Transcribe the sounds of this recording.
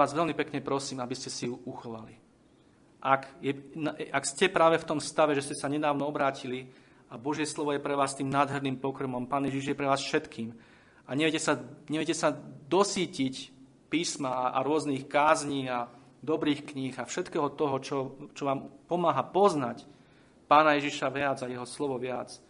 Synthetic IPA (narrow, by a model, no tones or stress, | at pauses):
aːzʋɛlmipɛkɲɛpɾɔsiːmabiscɛsijuʔuxɔʋa̰li | ʔakjɛnaakscɛpɾaːʋɛft̪ɔmst̪aʋɛʒɛscɛsaɲɛd̪aːʋnɔɔbɾaːcʰili | abɔʒɪɛslɔʋɔjɛpɾɛʋaːst̪iːmnaːd̪ɦɛɾniːmpɔkɾmɔmpaːnjɛʒiʒjɛpɾɛʋaːsfʃɛt̪kʰiːm | aɲɛʋjɛcɛsaɲɛʋɛcɛsad̪ɔsiːcic | piːsmaʔa̰ɾʊɔzniːxkaːzɲiːa | d̪ɔbɾiːxkɲiːɣafʃɛt̪kɛːɦɔt̪ɔɦɔt͡ʃɔt͡ʃɔʋaːmpɔmaːɦapɔznac | paːnajɛʒiʃaʋɪad͡zajɛɦɔslɔʋɔʋɪat͡s